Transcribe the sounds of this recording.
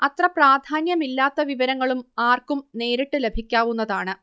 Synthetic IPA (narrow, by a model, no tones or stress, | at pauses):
ɐt̪rɐpraːd̪ʱaːnjɐmilːaːt̪ːɐʋiʋɐɾɐŋːɐɭumaːrkumne̞ːɾiʈːɨle̞bʱikʲːaːʋunːɐðaːɳɨ